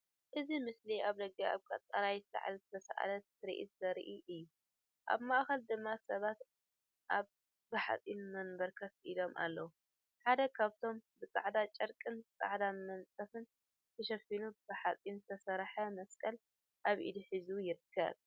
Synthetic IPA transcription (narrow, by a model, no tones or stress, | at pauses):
ʔɨzimɨsliaβlɐɡɐa̰βkʼa̰t̪ʼːaɾajzɨsa̰ʕa̰lzɨt̪ʰɐsa̰ʔa̰lɐt̪ʰɨɾḭʔḭt̪zɐɾ̰ʔiʔɨjːu | ʔa̰βmaʔxɐld̪ɨmːasɐβat̪ | ʔaβ | bɨħa̰t͡sʼinmɐnbɐɾkʰɐfʔilo̞mʔa̰lːɐwu | ħad̪ɐkʰaβt̪ʰo̞mbɨsʼaʕd̪at͡ʃʼɐɾkʼɨnbɨt͡sʼa̰ʕd̪amɐnt͡sʼɐfɨn | t̪ʰɐʃɐfinub̥ɨħat͡sʼinzɨt̪ʰɐsɐɾħɐmɐskʼɐl | ʔaβʔḭd̪iħizujɪɾɨkʰːɐ̰β